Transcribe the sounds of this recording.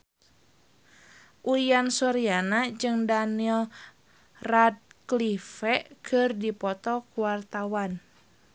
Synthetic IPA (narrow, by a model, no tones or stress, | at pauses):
ʔujansɔɾianad͡ʒɨŋdanil | rad̚klifɛʔkʰɨrdipɔt̪ɔkuwart̪awan